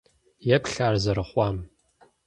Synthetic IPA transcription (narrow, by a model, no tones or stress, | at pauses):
jɛpɬaːrzɐɾɨχʷɑːm